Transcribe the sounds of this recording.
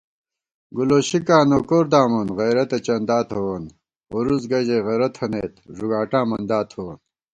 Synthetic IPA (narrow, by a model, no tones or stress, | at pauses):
ɡuloːɕikaːnokoɾd̪aːmunɣɐjɾɐt̪et͡ɕɐnd̪aːt̪ʰhowɐn | oɾuzɡɐʑeɣɐɾɐt̪ʰɐneːt̪ʐuɡaːʈaːmɐnd̪aːt̪ʰowɐn